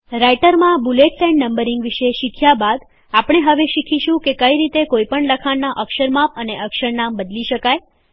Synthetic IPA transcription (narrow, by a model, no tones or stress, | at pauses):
ɾajʈəɾmãbuleʈsɛ̃ɳɖnəmbəɾiŋɡʋiʃeʃikʰjabad̪ | apɳ̃eɦəʋeʃikʰiʃũkekəiɾit̪ekoipəɳləkʰannaʔəkʃəɾmapəneʔəkʃəɾnambəd̪liʃəkaj